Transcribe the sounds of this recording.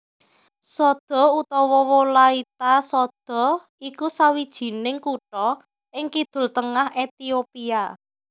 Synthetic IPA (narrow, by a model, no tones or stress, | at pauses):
sɔd̪̥ɔ̤ut̪ɔwɔwɔlait̪asɔd̪̥ɔ̤ | ikusawid̥ʒ̥i̤nɪŋkuʈɔ | ɪŋkid̪̥ʊ̤lt̪əŋahet̪iopia